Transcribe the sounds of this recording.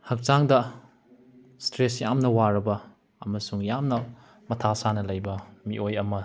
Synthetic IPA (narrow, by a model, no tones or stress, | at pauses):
hɐk̚t͡ʃaŋdɐ | stɾesjamnɐwaɾɐbɐː | mɐsuŋjamnɐ | mɐtʰasanɐlɐjbɐmiʔojɐmɐ